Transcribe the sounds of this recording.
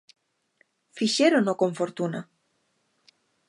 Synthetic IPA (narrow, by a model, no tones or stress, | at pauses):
fiʃeɾonokoɱfoɾt̪una